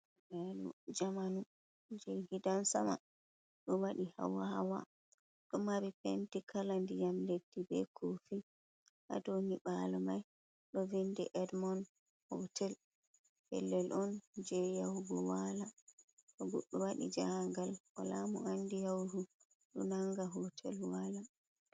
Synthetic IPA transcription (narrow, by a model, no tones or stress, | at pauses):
bɛɗṵd͡ʒamanu | d͡ʒɛɡidansama̰ | ɗɔwaɗiha̰waha̰wa̰ | ɗɔmaɾipentikʰalandijamledːibɛkʰofi | ʔa̰doniɓalɔmaj | ɗɔvindɛʔɛdmɔn | hɔtʰɛl | hɛ̰lːɛlʔɔnd͡ʒɛjawɡɔwalaɗɔɡɔ̰ɗːɔwaɗḭd͡ʒaŋɡalwa̰lamuanːdijawɾu | ɗɔnaŋɡaɦɔtʰɛ̰lwaːla